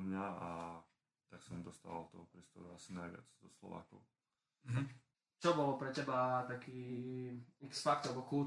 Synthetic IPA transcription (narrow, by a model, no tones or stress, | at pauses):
mɲaa | t̪aksɔmd̪ɔst̪aːʋa̰lt̪ɔɦɔpɾiːst̪ɔ̰ɾuasinajʋɪa̰d͡zzɔslɔ̰ʋa̰ːkɔ̰ʊ | ɦ̩ | t͡ʃɔbɔlpɾɛcɛbat̪akiː | ɛksfakt̪lɛbɔku